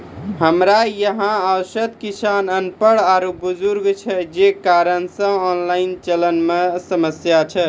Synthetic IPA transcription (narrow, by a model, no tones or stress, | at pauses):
ɦəmɾajəɦãawsət̪kisanənpəɽaɾubud͡ʒuɾɡt͡ʃʰɛd͡ʒekaɾənsə̃ɔnlaint͡ʃələnmesəməsjat͡ʃʰɛ